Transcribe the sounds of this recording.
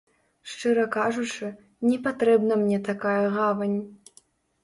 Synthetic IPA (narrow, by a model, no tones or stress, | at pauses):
ʂt͡ʂɨɾɐkaʐut͡ʂɨ | nʲɛpat̪ɾɛbnɐmnʲɛt̪akajɐɣavɐnʲ